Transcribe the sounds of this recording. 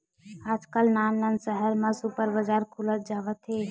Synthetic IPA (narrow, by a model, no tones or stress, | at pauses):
aːd͡ʒkəlnannənsəɦəɾmə̃supəɾbəd͡ʒaɾkʰulət̪̚d͡ʒaːʋət̪ɦe